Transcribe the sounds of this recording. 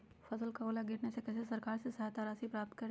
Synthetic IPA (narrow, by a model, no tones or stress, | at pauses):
fɐsəlkaoːlaɡɪʈnesekɛsesɐɾkaːɾsesɐɦat̪aːɾaːsipɾaːp̚t̪̚kɐɾ